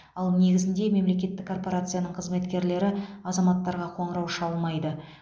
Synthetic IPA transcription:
ɑlˠne̞ɡʲɪzɪnd̪e̞me̞mle̞kʲe̞t̪ːɪkʰːo̞rpo̞ɾat̪sɨjanəɴqʰəzme̞t̪kʲe̞ɾle̞ɾɪɑzɑmɑt̪ːɑɾʁɑqʰo̞ɴəɾɑwʃɑlˠmɑjd̪ə

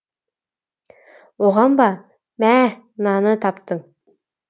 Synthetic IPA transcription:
woʁɑmbɑ | mæ | nɑnɤt̪ʰɑpt̪ɤɴ

